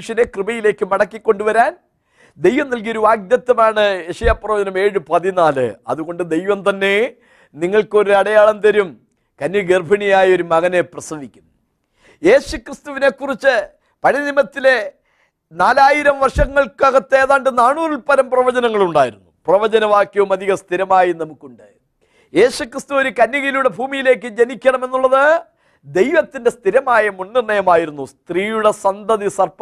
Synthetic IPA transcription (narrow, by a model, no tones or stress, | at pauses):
ʂɐne̞krɨbɐjile̞ːkːɨmɐɽɐkːikːo̞ɳɖuʋɐɾaːn | d̪e̞jʋɐmnɐlk̬ijo̞ɾuʋaːɡjɐt̪ːɐmaːɳɨeʂɐjaːprɐʋɐd͡ʑɐnɐme̞ːɻɨpɐðinaːlɨ̰ɐ̰ðuɣo̞ɳɖɨd̪e̞jʋɐmt̪ɐnːe̞ | niŋːɐɭko̞ɾuɐɽɐjaːɭɐnd̪ɐɾum | kɐnːuɡerbʱɐɳijaːjɐo̞ɾumɐɣɐne̞prɐsɐʋikʲːunː | je̞ːɕukrist̪uʋine̞kːurit͡ɕːɨ | pɐɻinimɐt̪ːile̞ | naːlaːjiɾɐmʋɐrʂɐŋːɐɭkaɣɐt̪ːeːðaːɳɖɨnaːɳuːrilpɐlɐmprɐʋɐd͡ʑɐnɐŋːɐɭuɳɖaːjiɾunːuprɐʋɐd͡ʑɐnɐʋaːkjɐʋumɐd̪ʱiɣɐst̪ʰiɾɐmaːjinɐmukːuɳɖɨ | je̞ːɕukrist̪uoɾukɐnːiɣijluɽe̞bʱuːmijile̞ːk̬ːɨd͡ʑenikʲːɐɳɐme̞nːuɭːɐðɨ | d̪e̞jʋɐt̪ːinde̞st̪ʰiɾɐmaːjɐmunːirɳɐjɐmaːjiɾunːust̪riːjuɽe̞sɐnd̪ɐðisɐrp